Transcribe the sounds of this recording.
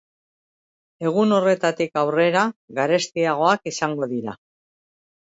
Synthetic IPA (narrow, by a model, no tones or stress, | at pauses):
e̞ɣ̞uno̞re̞t̪at̪ikawre̞ɾaɣaɾe̞st̪iaɣ̞o̞akisaŋɡo̞ðiɾa